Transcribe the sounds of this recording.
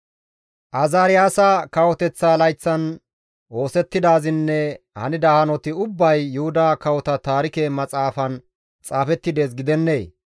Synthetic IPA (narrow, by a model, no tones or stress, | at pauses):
ʔɐzaːɾɪjaːsɐkɐwɔt̪ɛt͡sːaːlɐjt͡sːɐn | o̞ːsɛt̪ːɪd̪aːzɪnːɛ | hɐ̰nɪd̪ɐhɐnɔt̪ɪʊbːɐjːʊhʊd̪aːkɐwɔt̪ɐt̪aːɾɪkeːmɐt͡sʼaːfɐn | t͡sʼaːfɛt̪ːɪd̪e̞ːs̬ɡɪd̪ɛnːe̞ː